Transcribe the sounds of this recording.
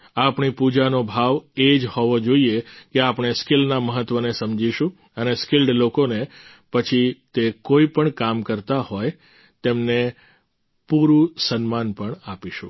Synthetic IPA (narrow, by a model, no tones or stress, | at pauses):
apɳipud͡ʒanobʱaʋed͡ʒhɔʋod͡ʒoiekeapɳ̃eskɪlnaməɦət̪ːʋənesəmd͡ʒiʃũ | əneskɪlɖlokone | pət͡ʃʰit̪ekoipəɳkamkəɾt̪ahoj | t̪emne | puɾũsənmanpəɳapiʃṵ̃